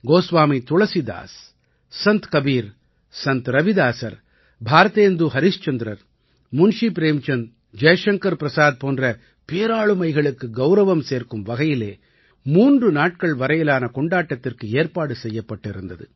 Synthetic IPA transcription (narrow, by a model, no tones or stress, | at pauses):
ɡoːsʋaːmit̪ʊɭɐsid̪a̰ːs | sɐnt̪kɐbiːɾ | sɐnt̪ɾɐʋɪðaːsɐ̰ɾ | bʱaːɾɐt̪eːnd̪uɦɐɾɪst͡ʃɐnd̪ɪɾɐɾ | mʊnʂipɾeːmt͡ʃɐn | d͡ʒɐjɐʂɐŋkɐɾpɪɾɐsaːð̚poːndrɐ | peːɾaːɭɯmɐɪɣɐɭɯkːɯɡɐʊɾɐʋɐmseːɾkɯmʋɐɣɐjɪleː | muːndrɯnaːʈ̚kɐɭʋɐɾɐjɪlaːnɐkɔɳɖaːʈːɐt̪ːɪrkɯeːɾpaːɽɯsɛjːɐpːɐʈːɪɾɯnd̪ɐðɯ̰